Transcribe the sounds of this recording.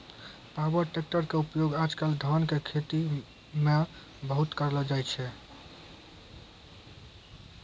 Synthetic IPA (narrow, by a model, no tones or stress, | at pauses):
pabəɾʈek̚ʈəɾkeupjoɡad͡ʒkald̪ʱənkekʰet̪i | me | bəɦut̪kəɾlɔd͡ʒajt͡ʃʰɛ